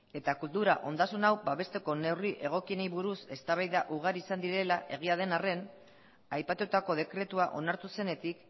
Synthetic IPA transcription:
e̞t̪akult̪uɾaʔo̞nd̪asunawbaβe̞st̪e̞ko̞ne̞wriʔe̞ɣ̞o̞kieniβuɾuse̞st̪aβajðaʔuɣ̞aɾisand̪iɾe̞laʔe̞ɣ̞iað̞e̞nare̞n | ajpat̪ut̪ako̞ðe̞kɾe̞t̪uaʔo̞̰naɾt̪use̞ne̞t̪ik

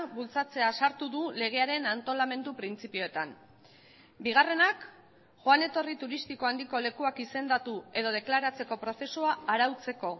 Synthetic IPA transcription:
bult͡sat͡se̞asaɾt̪uðule̞ɣ̞e̞aɾe̞nant̪o̞lame̞nd̪upɾint͡sipio̞et̪an | biɣ̞are̞nak | ʝoane̞t̪o̞rit̪uɾist̪iko̞and̪iko̞le̞kuakise̞nd̪at̪ue̞ð̞o̞ð̞e̞klaɾat͡se̞ko̞pɾo̞θe̞suaːɾawt͡se̞ko̞

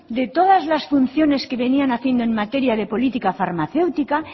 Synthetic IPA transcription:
d̪e̞t̪o̞ðazlasfun̟θjo̞ne̞ske̞βenianaθje̞nd̪oe̞ŋmat̪e̞ɾjaðe̞po̞lit̪ikafaɾmaθe̞wt̪ika

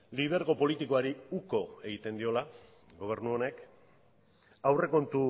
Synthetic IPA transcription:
lið̞e̞ɾɣo̞po̞lit̪iko̞aɾiuko̞e̞ɣit̪e̞nd̪io̞la | ɡo̞β̞e̞ɾnuo̞ne̞k | awre̞ko̞nt̪u

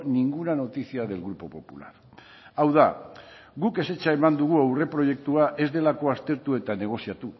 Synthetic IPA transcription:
niŋɡuɾano̞t̪isiaðe̞lɣɾupo̞po̞pula̰ɾ | awða | ɣuke̞se̞t͡ʃaemand̪uɣ̞uawre̞pɾo̞je̞k̚t̪uaʔe̞zd̪e̞lako̞ast̪e̞ɾt̪ue̞t̪ane̞ɣ̞o̞siat̪u

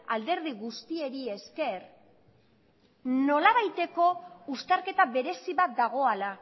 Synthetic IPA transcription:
ald̪e̞ɾðiɣust̪ie̞ɾie̞ske̞r | no̞laβajt̪e̞ko̞ust̪aɾke̞t̪aβe̞ɾe̞siβat̪̚d̪aɣ̞o̞ala

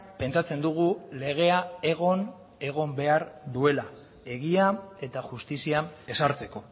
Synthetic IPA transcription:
pe̞nt͡sat͡se̞nd̪uɣ̞ule̞ɣ̞e̞ae̞ɣ̞o̞n | e̞ɣ̞o̞mbe̞aɾd̪ue̞la | e̞ɣiae̞t̪aʝust̪isiae̞saɾt͡se̞ko̞

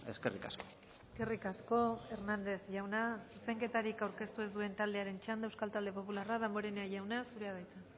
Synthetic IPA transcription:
ḛskerika̰sko | eske̞rikasko̞e̞ɾnand̪e̞zʝawnasuse̞ŋke̞t̪aɾikawɾke̞st̪ue̞zd̪ue̞nt̪ald̪e̞aɾe̞nt͡ʃand̪aewskalt̪ald̪e̞po̞pularaðambo̞ɾeneaʝawnasuɾe̞að̞ajt͡sa

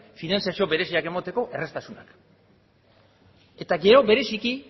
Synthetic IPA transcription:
finansjasio̞βe̞ɾe̞siake̞mat̪e̞ko̞ʔe̞re̞st̪asunak | e̞t̪aɡe̞ɾo̞βe̞ɾe̞siki

